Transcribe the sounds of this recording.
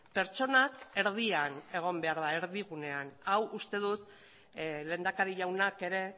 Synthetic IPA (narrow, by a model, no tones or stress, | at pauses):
pe̞ɾt͡ʃo̞nake̞ɾð̞iane̞ɣ̞o̞mbe̞aɾðae̞ɾðiɣ̞une̞anawust̪e̞ð̞ut̪ | le̞ːnd̪akaɾiʎawnake̞ɾe̞